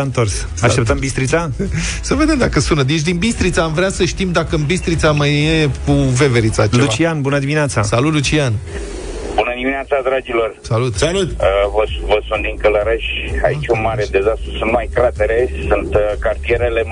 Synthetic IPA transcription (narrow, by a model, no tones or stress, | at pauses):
aɨnt̪o̞rs | aʃt̪ep̚t̪əmbist̪ɾit̪sasəve̞d̪e̞md̪akəsunəd̪et͡ʃ̬ʲd̪inbist̪ɾit̪saːmvɾeasəʃt̪imd̪akəɨnbist̪ɾit̪samajekuve̞ve̞ɾit̪sat͡ʃelut͡ʃianbunəd̪imineat̪sa̰salut̪lut͡ʃian | bunəd̪imineat̪sad̪ɾad͡ʒilo̞rsalut̪salut̪əvəvəsunt̪d̪iŋkələɾeʃa̰it͡ʃʲunmaɾed̪e̞zast̪ɾusɨnmajkɾat̪eɾe̞sunt̪kart̪ie̞ɾele